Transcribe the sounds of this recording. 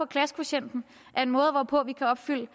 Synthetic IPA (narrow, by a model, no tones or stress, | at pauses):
ɒ̽kʰlæskʰpæɕen̰d̥n̩ | ʔæɐe̝nmɔ̽ːð̞̩ˠʋɒpʰɔ̽ʋikʰæɒ̽b̥fyl̰ə